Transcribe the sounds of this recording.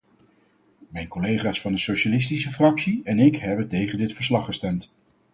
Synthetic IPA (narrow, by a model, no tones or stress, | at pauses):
mɛjnkolejχaːsfɑndəsowʃalɪs̬tisəfrɑksiɛnɪkɦɛbəntejχəndɪtfəɹslɑχːəstɛmt